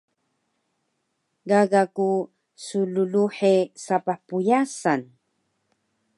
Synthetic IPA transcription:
ɡaɡaku | sululuħesapaħpujasan

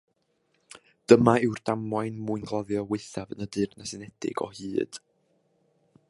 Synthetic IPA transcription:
d̥əmaɪwrd̥amajnmuːɨnɡlˠɔðjɔwɪθavənədɨrnasɨnɛd̥ɪ̰ɡɔ̰hɨːd̥

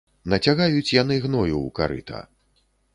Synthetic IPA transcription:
nɐt͡sʲaɣajut͡sʲjan̪ɨɣnɔjuuka̰ɾɨ̰t̪ʰɐ̰

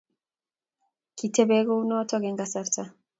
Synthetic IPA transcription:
kitebɛɡɔunɔtɔɡɛŋɡasaɾta

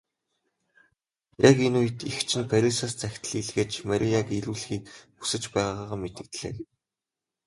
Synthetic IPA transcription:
jakenuːit̪ixt͡ɕʰɪ̆npʰæɾʲisaːst͡sæxʲt̪ɮiɮɣeːt͡ɕmaɾʲʔʲijakiɾuːɮxiːkpu̥sɘ̆t͡ɕpæːʁaːʁaːʁaːmet̪ɘ̆k̚t̪ɮ̥ḛːk

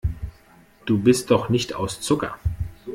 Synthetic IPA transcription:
d̥uːbɪst̚d̥ɔχnɪçta̰ʊst͡sʊkɐ̰

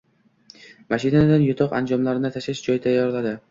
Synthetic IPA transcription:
maʃɪnad̪anjʊt̪ʰɒqa̰nd͡ʒɒmlaɾɪnɪt̪ʰaʃɪʃd͡ʒɒjɪt̪ʰajːɒɾlad̪ɪ

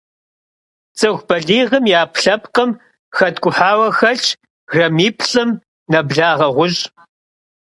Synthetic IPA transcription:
t͡sʼɨɣʷb̥ɐɮiːʁəmjaːpɬɐpqəm | xɐtɡʷʼʊħaːwɐxɐɬʼ | rɐmiːpʰɬʼɨm | nɐbɮaːʁɐʁʷʊɕʼ

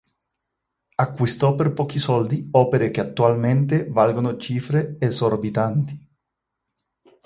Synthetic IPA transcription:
akːwist̪ɔperpɔːk̟isɔld̪iɔːpeɾekeat̪ːualment̪evalɡonot͡ʃiːfɾeːzorbit̪ant̪i̥

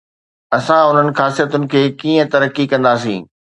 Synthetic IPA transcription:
ɐsãʊn̤ənɪ̆xaːsijət̪ʊnɪ̆kʰeːkiːə̃t̪ɐɾəkːikɐ̃nd̪aːsḭ̃ː

